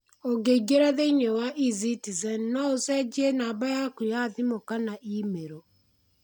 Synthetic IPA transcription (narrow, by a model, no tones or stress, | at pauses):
oɡeiɡeɾaðeiɲewaʔizitizɛnnɔosɛd͡ʒienabajakujaðimokanaʔimeɾo